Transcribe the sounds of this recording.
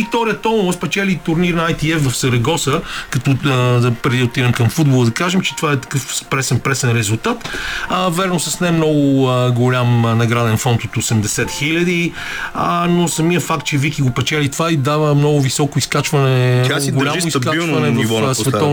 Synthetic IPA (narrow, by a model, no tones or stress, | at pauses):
ikt̪ɔɾiət̪ɔnvospɛt͡ʃɛlit̪ʊɾniɾnɐajt̪iɛfvɐfsɐɾɛɡɔsəkɐt̪ɔd̪ɐpɾɛd̪iʊt̪iɾɐmkɐmfud̪bolˠəd̪ɐkaʒɛmt͡ʃɛ̥t̪ovaɛt̪ɐ̥kɤfspɾɛsɛnpɾɛsɛnɾɛzulˠt̪at̪əvɛɾnosɐsnɛmnɔɡʊəɡolʲamnɐɡɾad̪ɛnfɔnt̪ot̪osɛmd̪ɛsɛt̪xilʲɐd̪i | ənosɐmijəfak̚t̪̚t͡ʃɛvikiɡopɛt͡ʃɛlit̪ovaid̪avəmnɔɡʊvisɔkoiskat͡ʃvɐnɛaɡlʲasʊiskailˠvɐnɛvifvɔsvɛt̪ɔ